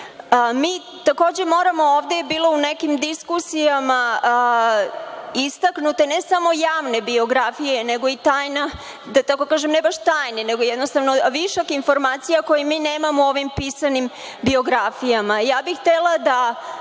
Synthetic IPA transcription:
miː | t̪ako̞ːd͡ʑe̞mo̞ːɾamo̞oːʋd̪ebiːlˠo̞unekimd̪iskusijama | ist̪aknut̪enesamo̞jaːʋne̞bio̞ɡɾafijeneɡo̞it̪aːjna | d̪at̪ako̞kaːʒemnebaʃt̪aːjneneɡojɛd̪nost̪aʋnoʋiʃokinfo̞ɾmaːt̪sijakojemiːneːmamoo̞ʋimpisanim | bio̞ɡɾafijamajaːbixt̪elˠad̪a

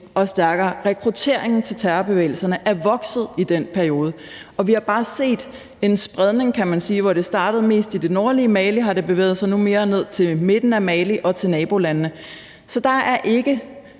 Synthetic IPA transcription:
ʔɒ̽sd̥æɐɡ̥ɐːʁɛkʰʁut͡sʰe̝̰ɐ̰eŋn̩t͡sʰe̝lt͡sʰæɐɐb̥e̝ʋḛːɪl̩sɐnəʔæɐʋɒ̽ɡ̥sð̞̩ˠid̥en̰pʰæɐio̝ːð̞ˠə | ɒ̽ʋihɑ̈b̥ɑ̈ːse̝̰ːd̥ | e̝nsb̥ʁað̞ˠne̝ŋkʰæmænsiːʋɒɾ̥e̝sd̥ɑ̈ːd̥ð̞̩ˠme̝̰ːsd̥id̥e̝nɒːɐliəmɛliɦɑ̈ɾ̥e̝b̥e̝ʋḛːð̩ˠsɑ̈ɪnume̝ːɐne̝ð̞̰ˠt͡sʰe̝lme̝d̥n̩æmɛliʔɒ̽t͡sʰe̝lnɛːb̥o̝lænnə | sɒ̽d̥ɑ̈æɐʔe̝ɡ̥ə

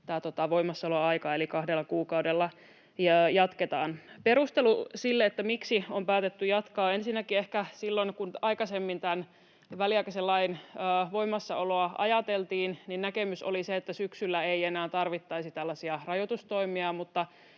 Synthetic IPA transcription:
t̪æːt̪ot̪ɑʋo̞imːɑsːɑoloɑikɑelikɑhdelːɑkuːkɑudelːɑ | jjɑt̪ket̪ɑːnpeɾust̪elusilːeet̪ːæmiksiompæːt̪et̪ːyjɑt̪kɑːensinːækiehkæsilːonkunɑikɑsemːint̪æn | ʋæliɑikæselːɑinəːʋo̞imːɑsːɑoloɑʔɑ̰jɑt̪elt̪iːnninnækemyso̰liseet̪ːæsyksylːæeienæːt̪ɑrʋit̪ːɑisit̪ælːæsiɑrɑjot̪ust̪oimiɑmut̪ːɑ

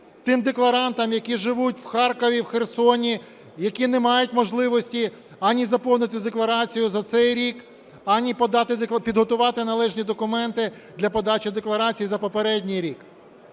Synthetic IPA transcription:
t̪ɪmd̪eklˠɐɾɑnt̪ɐmjɐkʲiʒɪʋutʲwxɑrkɔʋʲiwxersɔnʲi | jɐkʲinemɑjʊtʲmɔʒlˠɪʋɔsʲtʲi | ɐnʲizɐpɔwnɪt̪ɪd̪eklˠɐɾɑt͡sʲijʊzɐt̪sɛjɾʲik | ɐnʲipɔd̪ɑt̪ɪpʲid̪ɦɔt̪ʊʋɑt̪ɪnɐlˠɛʒnʲid̪ɔkʊmɛnt̪ɪ | d̪lʲɐpɔd̪ɑt͡ʃʲid̪eklˠɐɾɑt͡sʲijizɐpɔpeɾɛdʲnʲijɾʲik

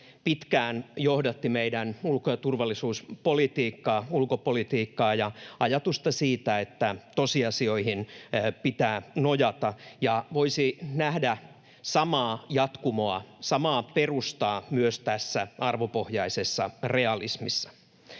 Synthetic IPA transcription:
pit̪kæːnjohdɑt̪ːimeidænulkojɑt̪urʋɑlːisuːspolit̪iːkːɑːulkopolit̪iːkːɑːjɑɑjɑt̪ust̪ɑsiːt̪æet̪ːæt̪osiɑsio̞ihinpit̪æːnojɑt̪ɑjɑʋoisinæhdæ | sɑmɑːjɑt̪kumoɑ̰sɑmɑːperust̪ɑːmyøst̪æsːæɑrʋopohjɑisesːɑreɑlismisːɑ̥

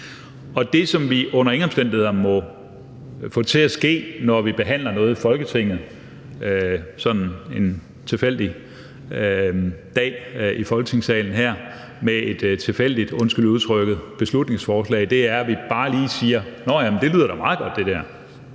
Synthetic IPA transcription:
ɒ̽d̥e̝sɒ̽mʋiʔɔ̽n̰ɐe̝ŋɒ̽m̥sd̥en̰d̥ihe̝ðˠɐmɒ̽ | fɔ̰̽ːt͡sʰe̝æsɡ̥e̝̰ːnɒʋib̥e̝ɦæn̰lɐnɔ̽ːð̩ˠifɒ̽lɡ̥ət͡sʰe̝ŋ̰ð̩ˠ | øsɒ̽d̥n̩e̝n | t͡sʰe̝fel̰d̥i | d̥ɛ̰ːifɒ̽lɡ̥ət͡sʰe̝ŋsɛ̰ːln̩ɦæɐ̰ | mee̝d̥t͡sʰe̝fel̰d̥id̥ɔ̽nsɡ̥yluðˠt͡sʰʁœɡ̥əð̩ˠb̥e̝slud̥ne̝ŋsfɒːslɛ̰ɪd̥e̝æɐʋib̥ɑ̈ːliːsiːɐnɒjæmnd̥e̝lyð̰ˠɐɾ̥æmɑ̈ːð̞̩ˠɡ̥ɒ̽d̥ːe̝d̥æɐ̰

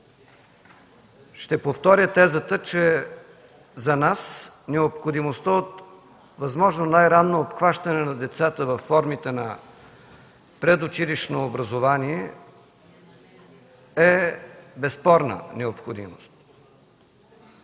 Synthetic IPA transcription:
ʃt̪ɛpoft̪ɔɾʲət̪ɛzət̪ət͡ʃɛ | zɐnasnɛopxod̪imost̪əot̪ | vɐzmɔʒnonajɾanːoːpxvaʃt̪ɐnɛnɐd̪ɛt̪sat̪əvɐfːɔɾmit̪ɛnɐ | pɾɛd̪ot͡ʃiliʃnoːbɾɐzovaniɛ | ɛbɛspɔɾnə̰nɛopxod̪ḭmost̪̚

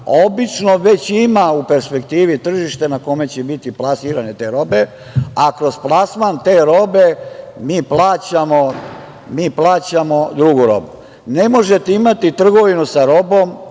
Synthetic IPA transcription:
obit͡ʃnoʋe̞t͡ɕimaupe̞ɾspe̞kt̪iːʋit̪r̩ʒiʃt̪e̞nako̞me̞t͡ɕebit̪iplˠasiːɾane̞t̪e̞ːɾo̞be̞ | akɾo̞splˠasmant̪eːɾo̞be̞miːplˠaːt͡ɕamo̞ | miːplˠaːt͡ɕamo̞d̪ɾuɡuɾo̰bu | nemo̞ʒet̪eimat̪it̪r̩ɡo̞ʋinusaɾo̞bo̞m

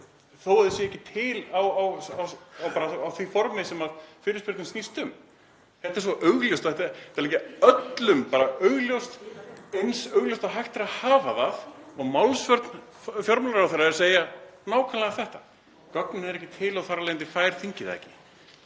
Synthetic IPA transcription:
θowɛðɪsjɛɛhcːɪt̪ʰɪlawawawawpaːɾaawθvifɔɾmɪsɛmaðfɪːɾɪspɪɾt̪ɪmst̪ist̪ʏm | hɛht̪aɛ̥ɾsvɔʔœɥɣljowst̪ɔɛt̪aɛ̥t̪aɾlɛhcɪœt̪lʏmpaːɾaœɥɣljowst̪ejnsœːɥɣlowst̪aɦajxt̪ɪɾahaːvaðaðɔɣmawlsvœɾt̪n | fjɔɾmalɾawθɛrːaɛɾaseːjanaːwkʰalɛɣaθɛht̪ḁ | kœknʏnɛɾɛhcːɪt̪ʰɪlawθarːalejɪnt̪ɪkʰvajɾ̥θiɲcɪðɛ̰cɪ̥

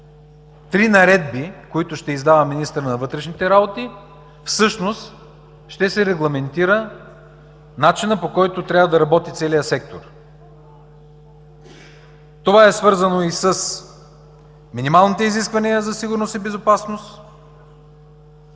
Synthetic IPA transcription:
t̪ɾinɐɾɛd̪̚bikoit̪ʊʃt̪ɛizd̪avəminist̪əɾnɐvɤt̪ɾɛʃnit̪ɛɾabot̪i | fsɤʃnost̪ | ʃt̪ɛsɛɾɛɡlˠɐmɛnt̪iɾə | nat͡ʃinəpokɔjt̪ot̪ɾʲavəd̪ɐɾɐbɔt̪it̪sɛlijəsɛk̚t̪oɾ | t̪ovaɛsvɤɾzɐnoisəs | minimalˠnit̪ɛiziskvɐnijəzɐsiɡʊɾnost̪ibɛzopasnost̪

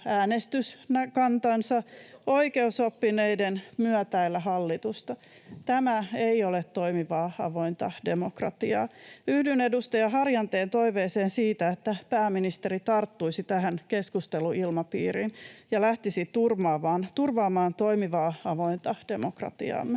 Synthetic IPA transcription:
æːnest̪ysnækɑnt̪ɑnsɑoikeusopːineidenmyœt̪æilːæhɑlːit̪ust̪ɑ | t̪æmæeiolet̪toimiʋɑːɑ̰ʋoint̪ɑde̞mokrɑ̰t̪iɑːyhdynedust̪ɑjɑɦɑrjɑnt̪eːnt̪o̞iʋeːseːnsiːt̪æet̪ːæpæːmːinist̪eɾit̪ɑrt̪ːuisit̪æɦænkeskust̪eluʔilmɑpḭːrinjɑlæht̪isit̪urʋɑːʋɑːnt̪urʋɑːmɑːnt̪oimiʋɑːɑʋoint̪ɑd̥emokrɑ̰t̪ḭɑ̰ːmːe

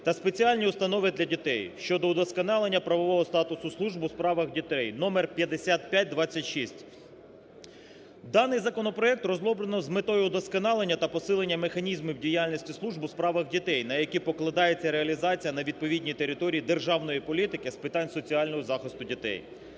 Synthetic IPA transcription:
t̪ɐspe̞t͡sʲiɑlʲnʲiʊst̪ɐnɔʋɪd̪lʲɐdʲit̪ɛjʃt͡ʃɔd̪ɔd̪ɔskɐnɑlˠe̞nʲːɐpɾɐʋɔʋɔɦɔst̪ɑt̪ʊsʊslˠuʒbʊspɾɑʋɐɣdʲit̪ɛjnɔmerpʲjɐd̪esʲat̪̚pʲjat̚ʲd̪ʋɑt͡sʲːɐtʲʃisʲtʲ | d̪ɑnɪjzɐkɔnɔpɾɔɛk̚t̪rɔzlˠɔblˠenɔzmɪt̪ɔjʊd̪ɔskɐnɑlˠenʲːɐt̪ɐpɔsɪlˠenʲːɐmexɐnʲizmiwdʲijalʲnʲisʲtʲislˠuʒbʊspɾɑʋɐɣdʲit̪ɛjnɐjɐkʲipɔklˠɐd̪ɑjet͡sʲːɐɾeɐlʲizɑt͡sʲijɐnɐʋʲid̪̚pɔʋʲidʲnʲit̪eɾɪt̪ɔɾʲiid̪erʒɑwnɔjipɔlʲit̪ɪkɪspɪt̪ɑnʲsɔt͡sʲiɑlʲnɔɦɔzɑxɪst̪ʊdʲit̪ɛ̰j

